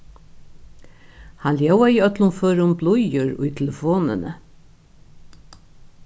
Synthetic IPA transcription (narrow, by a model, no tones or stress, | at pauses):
hanljawaiœt̪lʊnføːɾʊmblʊjʏɾʊ̰jt̪ʰɛləfoːnə̰nə̰